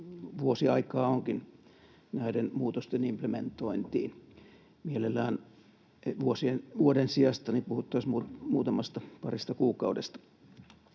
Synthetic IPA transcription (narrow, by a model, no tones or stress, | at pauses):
ʋuosiɑikɑːoŋkin | næidenmuːt̪ost̪enimplement̪oint̪ḭːn | mielelːæːn | ʋuosienʋuodensiɑst̪ɑnipuhut̪ːɑsmuːmuːt̪ɑmɑst̪ɑpɑrist̪ɑkuːkɑudḛst̪ɑ̥